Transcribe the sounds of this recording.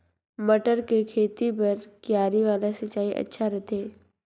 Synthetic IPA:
mɐʈəɾkekʰeːt̪ipɐɾkjaːɾiʋaːlasɐt͡ʃaːiʔɐ̰tːʃʰaɾɛt̪eː

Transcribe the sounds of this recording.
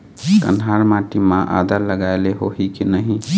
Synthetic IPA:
kə̰nɦaɾmaʈimãʔa̰d̪əɾləɡaeleɦoɦikinəɦĩ

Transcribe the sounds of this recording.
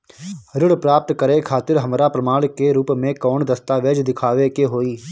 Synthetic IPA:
ɾɪɽpɾaːp̚t̪kəɾekʰaːt̪ɪɾɦɐmɾapɾəmaːɽ̃keɾuːpmẽkɔːnd̪ɐst̪aʋeːd͡ʒd̪ɪkʰaːʋekeɦoːiː

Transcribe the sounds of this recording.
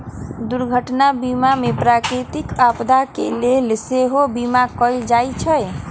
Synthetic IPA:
d̪uɾɡʱəʈnabimamepɾakɾit̪ikapd̪ʱakḛlelseɦobimakɔjld͡ʒajt͡ʃʰəj

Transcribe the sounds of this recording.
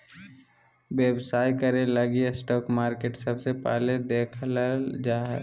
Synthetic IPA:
weːbsaːikəɾẽlɐɡiesʈɔːkmaːɾkeːʈsɐbsepɛ̰ːled̪eːkʰld͡ʒaːɦ

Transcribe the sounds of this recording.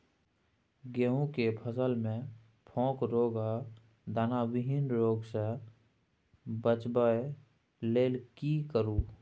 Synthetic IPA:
ɡeɦũkepʰəsəlmẽ | pʰɔ̃ːkɾoːɡa | d̪aːnawɪɦɪnɾoːɡse | bət͡ʃbə | leːlkikəɾuː

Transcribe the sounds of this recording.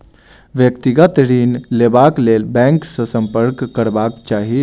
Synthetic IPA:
ʋjəkt̪iɡat̪əɾiːnlebaklelbɛ̃ŋksəsəmpəɾkːəɾbakt͡ʃaɦi

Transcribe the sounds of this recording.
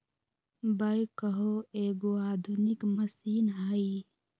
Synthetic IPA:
bɐjkəɦoeːɡoaːd̪ʱunikməsiːnɦai

